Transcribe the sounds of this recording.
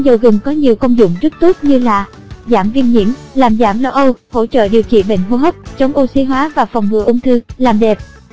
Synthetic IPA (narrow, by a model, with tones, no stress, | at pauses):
zə˨˩wɣɨ˨˩ŋkɔ˨˦ɲi˨˩əwkə˧wŋ͡mzʊ̰˧˨ŋ͡mzɨ˦˥k̚t̪o˦˥t̚ɲɨ˧laː˨˩ | zaː˧˩mvi˧ənɲḭ˧˥əmlaː˨˩mzaː˧˩mlo˧ʔə˧who̰˧˥t͡ɕə̰ː˧˨ɗi˨˩əwt͡ɕḭ˧˨nɓḛ˧˨ŋ̟ɦo˧ɦəː˦˥p̚t͡ɕɔ˨˦wŋ͡mʔo˧si˨˧˦ɦwaː˨˦vaː˨˩fɔ˨˩wŋ͡mŋɨ̰˧˩əʔʊ˧ŋ͡mt̪ʰɨ˧laː˨˩mɗɛ˨˩p̚